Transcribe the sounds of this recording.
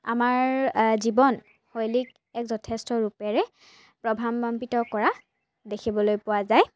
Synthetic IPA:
a̰maɹzibɔn | xojlik̚ | ɛkzɔtʰɛstɔɹupɛɹɛ | pɹɔbʱamɔmpitɔkɔɹa | dekʰibɔlojpʊwazaj

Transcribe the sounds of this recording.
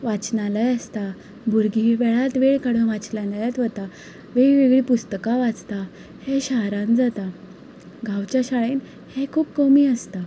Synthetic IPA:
ʋat͡snalajəst̪a | bʱuɾɡʱiʋɛɭat̪ʋeɭkaɽũnʋat͡sljãnd̪ajat̪ʋət̪a | ʋeɭʋeɡɭipust̪əkaʋat͡st̪a | heɕaɦɾãnd͡zat̪a | ɡʱãwt͡ɕjaɕaɭen | hekʰuːp̚kəmiːəst̪a

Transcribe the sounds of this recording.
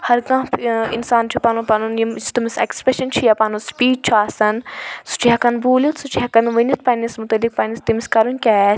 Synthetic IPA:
hɐɾɡɐ̃pʰḭnsaːnt͡ʃʰupɐnupɐnunjimist̪umisḛkspɾeʃɐnt͡ʃʰijapɐnuspiːɖ̚t͡ʃʰuaːsɐnsu̥t͡ʃʰiɦɐkɐnbuːlʲit̪sut͡ʃʰiɦɐkɐnʋɐnit̪̚ʰpɐnismut̪ɐlːik̚pɐnist̪imiskɐɾunʲkʲɛ

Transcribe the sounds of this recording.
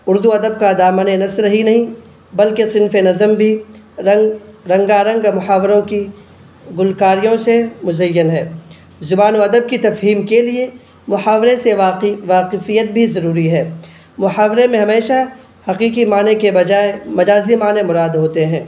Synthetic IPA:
ʊɾd̪uɐd̪əb̚kad̪aːmənenɐslɦinɐɦĩ | bɐlkesɪnfenɐzəmbʱi | ɐŋɡɾɐ̃ŋɡaɾɐ̃ŋɡmʊħaːʋɾõki | ɡʊlkaːɾijõsemʊzɐjːənɦɛː | zʊbaːnoɐd̪əb̚kit̪ɐfɦiːmkelie | mʊħaːʋɾeseaʋaːqɪfijːət̪̚bʱizɐɾuːɾiɦɛː | mʊħaːʋɾemẽɦɐmeːʃa | hɐqiːqimaːnekebɐd͡ʒaːemɐd͡ʒaːzimaːnemʊɾaːd̪ɦoːt̪eɦɛ̃ː

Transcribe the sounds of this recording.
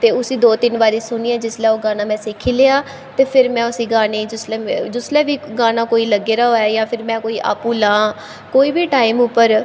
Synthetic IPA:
t̪eːʊsĩːd̪oːt̪ɪnʋaːɾiːsʊniːɛ̃ːd͡ʒɪslɛːoːɡaːnãːmɛ̃ːsɪkʰiːleːaː | t̪eːpʰɪɾmɛ̃ːʊsiːɡaːneːd͡ʒʊslɛd͡ʒʊslɛːʋiːɡaːnaːkoːiːləɡeːɾaːɦoːɛːjãːpʰɪɾmɛ̃ːkoːiːʔa̰ːpuːlãː | koːiːbʱiːʈaːimʊpːəɾ

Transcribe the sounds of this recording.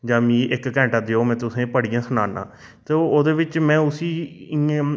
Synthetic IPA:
d͡ʒãːmĩːʔɪkkɛ̃ːɳʈaːd̪eoːmɛ̃ːt̪ʊsẽːpəɽijãːsʊnaːnã̰ː | t̪eːoːd̪eːʋɪt͡ʃmɛ̃ːʊsiː

